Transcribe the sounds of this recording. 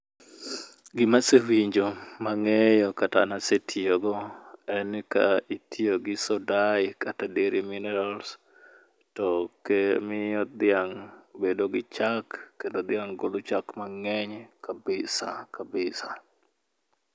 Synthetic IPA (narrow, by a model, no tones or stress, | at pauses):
ɡɪmasewiɲd͡ʒomaŋejɔkata̰nasetʰioɡɔɛnkaitʰioɡɪsɔdaɪkatadeɾiminɛɾals | tɔkemɪjɔd̪ɪaŋbedoɡɪt͡ʃakːendod̪ɪaŋɡolut͡ʃakmaŋɛɲkabɪsakabɪsa